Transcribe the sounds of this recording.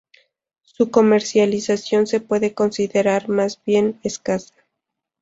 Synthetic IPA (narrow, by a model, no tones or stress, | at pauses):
suko̞me̞ɾsjalisasjo̞nse̞pwe̞ðe̞ko̞nsiðe̞ɾaɾmazbje̞neskasḁ